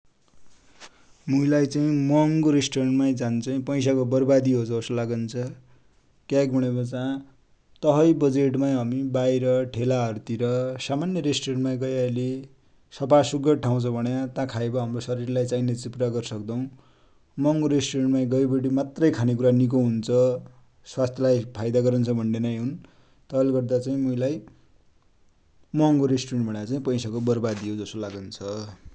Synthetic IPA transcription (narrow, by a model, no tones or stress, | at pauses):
muilajt͡saĩmʌŋɡoɾesʈoɾʌɳʈmajd͡zant͡sʌĩpʌjs̬akobʌrbad̪iɦot͡sʌoslaɡʌnt͡sʰʌ | kakbʱuɽ̃ebʌt͡sã | t̪ʌɦʌjbʌd͡zeʈmajɦʌmibajɾʌʈʰelaɦʌɾut̪iɾʌsamanjʌɾesʈoɾʌɳʈmaj̃ɡʌjale | sʌpasuɡʌʈʰaw̃t͡sʰʌbʱʌnjat̪ãkʰaebʌɦamrosʌɾirlajt͡sainet͡saĩpuɾaɡʌɾsʌkd̪ʌw̃ | mʌŋɡoɾesʈuɾeɳʈmaj̃ɡʌjbʌɽimat̪rʌjkʰanek̬uɾanik̬oɦunt͡sʰʌ | swast̪ʰjʌlajpʰajd̪aɡʌɾʌnt͡sʰʌbʱʌɳɖenajɦun | t̪ʌlɡʌrd̪at͡saĩmʌilaj | mʌŋɡoɾesʈuɾeɳʈbʌɽjat͡saĩpʌjsakobʌrbad̪ijod͡zʌsolaɡʌnt͡sʰʌ